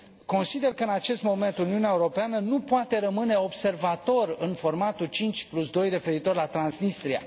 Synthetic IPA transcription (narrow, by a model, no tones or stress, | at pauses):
ko̞nsid̪e̞rkəɨnat͡ʃe̞st̪mo̞me̞nt̪uniuneaeuɾo̞peanənupoat̪e̞ɾəmɨne̞o̞bse̞rvat̪o̞rɨnfo̞rmat̪ut͡ʃint͡ʃʲplusd̪o̞jre̞fe̞ɾit̪o̞rlat̪ɾansnist̪ɾia̰